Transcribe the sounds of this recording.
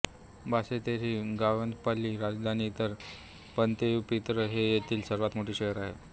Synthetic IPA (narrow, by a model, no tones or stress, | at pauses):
bʱaset̪eɾiːɡaʋənd̪palːiːɾad͡zd̪ʱaniːt̪əɾ | pənt̪epit̪ɾəɦejet̪ʰiːlsəɾʋat̪moʈiːɕeɦəɾaɦḛ